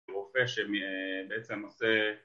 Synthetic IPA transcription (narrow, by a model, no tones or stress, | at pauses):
ʁofeʃemibeet͡semose